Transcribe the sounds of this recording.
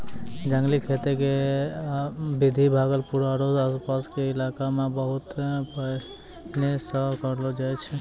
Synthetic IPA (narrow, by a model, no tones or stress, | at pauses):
d͡ʒəŋɡlikʰet̪eke | bid̪ʱibʱaɡəlpuɾaɾozaspaskeɪlakamebəɦʊt̪p | neseakɔɾlod͡ʒajt͡ʃʰɛ